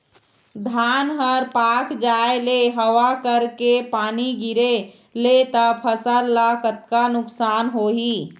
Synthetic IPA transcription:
d̪ʱaːnɦəɾpakd͡ʒaeleɦəwakəɾkepaːniɡiɾe | let̪əpʰəsəɾlakət̪kanʊksaːnɦoɦi

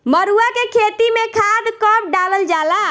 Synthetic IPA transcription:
məɾuakekʰet̪imekʰad̪kəp̚ɖaləld͡ʒala

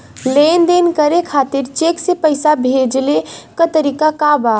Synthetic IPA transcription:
lend̪enkəɾekʰaːt̪ɪɾt͡ʃeːksepəɪsabʱed͡ʒlekət̪əɾikakaba

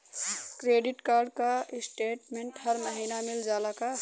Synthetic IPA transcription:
kɾeɖiʈkaɾɖkasʈeʈmeɳʈhəɾməɦinamild͡ʒalaka

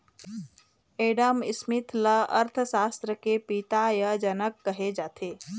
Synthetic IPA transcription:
eːɖəmɪsmɪt̪ʰləɐ̰ɾt̪ʰsaːst̪ɾəkepit̪ajəd͡ʒənəkːəɦed͡ʒaːt̪ʰeː

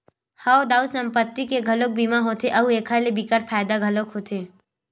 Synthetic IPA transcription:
haːod̪aːusɐ̃mpət̪ːikeɡʱɐlok̚bimaɦoːt̪eʔɐɦueːkʰalebikəɾpʰaːjd̪aɡʱɐlokɦoːt̪ʰeː

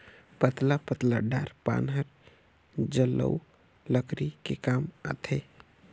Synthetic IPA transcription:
pət̪lapət̪laɖaɾpa̰nɦəɾ | d͡ʒələ̰u | ləkɾikekaːmə̰t̪ʰe

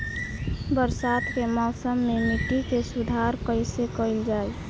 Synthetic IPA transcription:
bəɾsat̪kemɔːsəmːemiʈikesud̪ʱaɾkəɪsekəɪld͡ʒaːj

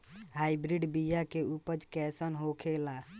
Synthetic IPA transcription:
haːɪbɾiɖbijakeupəd͡ʒkɛsənɦokʰela

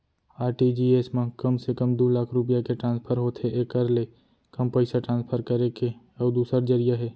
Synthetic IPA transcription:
aːɾʈid͡ʒiːeːsmãkəmsekəmd̪oːlaːkʰɾʊp̬ijakeʈɾãːnspʰəɾɦot̪ɦeʔekːəɾle | kɐmpəɪsaʈɾãːnspʰəɾkəɾeke | ɔːd̪uːsəɾd͡ʒəɾɪjaɦɛː

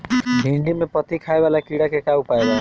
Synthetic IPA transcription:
ɖʱiɳɖimepʌt̪ikʰaeβalakiɽakekaupaeba

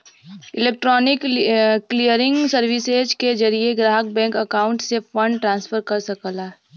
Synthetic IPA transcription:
ɪleːk̚ʈɾɔːnɪkklijəɾɪ̃ŋɡsɐɾʋised͡ʒked͡ʒɐɾieɡɾaːɦək̚bɛ̃ːŋkəkaːʊ̃ɳʈsefə̃ɳɖʈɾãːnsfəɾkɐɾsɐkəlaː

